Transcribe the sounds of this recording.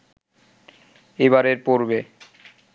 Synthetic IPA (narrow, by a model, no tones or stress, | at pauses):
eβaɾeɾpoɾbe